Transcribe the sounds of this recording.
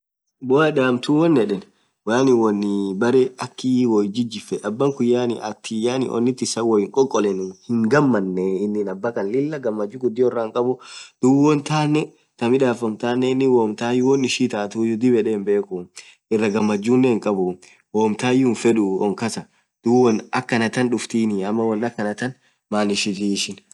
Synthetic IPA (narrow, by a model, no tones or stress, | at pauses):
bɔɐdaːmt̪uwɔnːɛᶑɛn | waːnɪwɔnːɪbɐɾɛɐkːiwɔjd͡ʒɪd͡ʒːɪfɛʔɐbːɐŋkʊjːaːnɪʔɐt̪ʰːɪjaːnɪ̰ʔɔ̰nːɪt̪ːɪsɐwɔjɪŋkʼɔkʼːɔlɛnʊhɪŋɡɐmːɐnːeɪnːɪnɐbːɐkɐnlɪlːɐɡɐmːɐd͡ʒːuɡʊd̪ːɪɔrːaːŋkʼɐbʊd̪̥ʊɔnt̪aːnːɛ | t̪ɐmɪᶑaːfɔmt̪aːnːɛɪnːɪwoːmt̪aːjʊwɔnɪʃiːt̪aːt̪uːjʊd̪ɪbɛᶑeːmbe̞ːkʊ | ɪrːɐɡɐmːɐd͡ʒːuːnːɛɪŋkʼɐbʊ | woːmt̪aːjːʊnfɛᶑʊɔŋkɐsɐ | d̪̥uwɔnɐkːɐnɐt̪ɐnᶑʊft̪iːnɪɐmːɐwɔnːɐkːɐnɐt̪ɐn | maːnɪʃɪt̪iʃɪn